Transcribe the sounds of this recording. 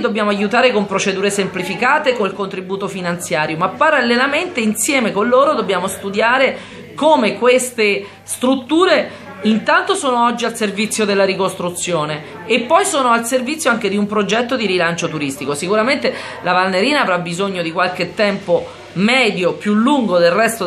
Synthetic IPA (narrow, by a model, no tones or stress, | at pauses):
d̪objaːmoajut̪aːɾekompɾot͡ʃed̪uːɾesemplifikaːt̪ekonilkont̪ɾibuːt̪ofinant̪sjaːɾjomapːaɾalːelament̪einsjɛːmekonloːɾod̪obːjaːmost̪ud̪jaːɾe | komekwest̪e | st̪ɾut̪ːuːɾe | int̪ant̪osoːnoɔd͡ʒːialservit̪sːjod̪elːaɾikost̪ɾut̪sːjoːneː | pːɔjsoːnoalservit̪sːjoaŋk̟ed̪iumpɾod͡ʒɛt̪ːod̪iɾilant͡ʃot̪uɾist̪ikosikuɾament̪e | labalnːeɾiːnaːvɾabːizoɲːod̪ikwalk̟et̪ːɛmpo | mɛːd̪jopjulːuŋɡod̪elrɛst̪o